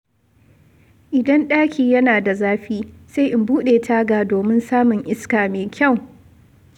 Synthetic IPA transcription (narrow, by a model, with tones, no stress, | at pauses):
ʔɪ˨dɐ˦nɗaː˦kʲiː˨jɐ˦naː˨da˨zaː˦ɸiː˦se˦jʔɪ˨mbuː˦ɗeː˨tʰaː˦ɡaː˨doː˨mɪ˦nsaː˦mʊ˨ŋʔɪ˦skaː˨meː˨kʲɐ˦˨w